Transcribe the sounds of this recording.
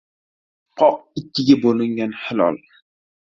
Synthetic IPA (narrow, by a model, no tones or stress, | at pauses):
qʰɒq̚ɪkʲʰːɪɡʲabolɪŋɡʲanhɪlɒ̰lˠ